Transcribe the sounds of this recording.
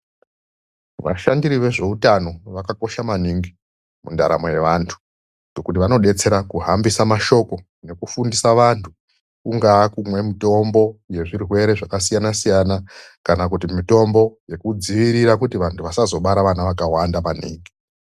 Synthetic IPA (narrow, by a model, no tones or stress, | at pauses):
ʋa̰ʃandiɾiʋe̞ʐe̞utano̞ʋakako̞ʃamaniŋɡi | munda̰ɾa̰moje̞ʋantʰu̥ | ŋɡokut̬iʋano̞ɗe̞t͡se̞ɾakuɦambisamaʃo̞ko̞ | ne̞kufundisaʋantʰu | kuŋɡaːkumwe̞mito̞mbo̞je̞ʐirwe̞ɾe̞ʐakasijanasijanakanakutimito̞mbo̞je̞kud͡ziʋiɾiɾakutiʋantʰuʋasazo̞ɓaɾaʋanaʋakawandamanḭːŋɡi